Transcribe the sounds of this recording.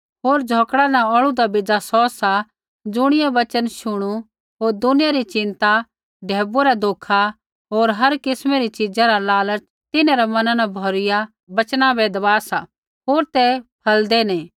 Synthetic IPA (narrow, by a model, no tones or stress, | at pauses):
ɦoːɾd͡ʒʱoːkɽanãɔɭud̪abɪd͡ʒasɔsa | d͡ʒʊɽ̃ɪjaʋɐt͡ʃənʃʊɽ̃u | ɦoːɾd̪ʊnɪjaɾit͡ʃɪ̃nt̪a | ɖʱeːboɾad̪ʱoːkʰa | ɦoːɾɦɐɾkɪsmeɾit͡ʃɪd͡ʒaɾalaːləɾt͡ʃ | t̪ɪnãɾɛmɐnãnabʱɔːɾɪja | bɐt͡ʃnabɛd̪ɐbaːsa | ɦoːɾt̪ɛpʰɐld̪ɛnɛ̃ː